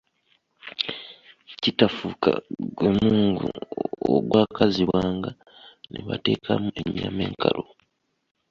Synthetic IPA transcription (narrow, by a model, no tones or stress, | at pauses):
citafuːkaɡwe̞muːŋɡuoɡwaːkaziβwaːŋɡa | nʔeβa̰te̞ːkʰamueɲːame̞ːŋkalʔo